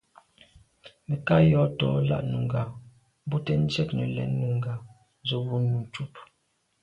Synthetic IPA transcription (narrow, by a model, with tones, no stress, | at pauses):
mɛ˨ka˦jɔ˨˦tɔ̰˨˦la̰˦ʔnu˨ŋ˨ɡa˨ | m˦bu˦tɛ˦n̩˦d͡ʒɛ˦k̚nɛ˨lɛ̰˨˦nːu˨ŋɡa˨ | zo˦wu˦nu˨n˨t͡ʃu˦p̚